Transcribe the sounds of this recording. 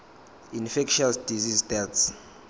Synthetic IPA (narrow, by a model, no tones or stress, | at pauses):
infɛkʃasd̥izizdɛts